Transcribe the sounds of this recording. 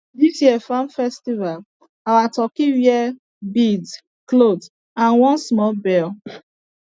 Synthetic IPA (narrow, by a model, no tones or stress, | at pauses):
disjiɛfãnfɛstival | awatɔkiwiɛ | bid | klod | ãnwɔ̃nsmɔlbɛl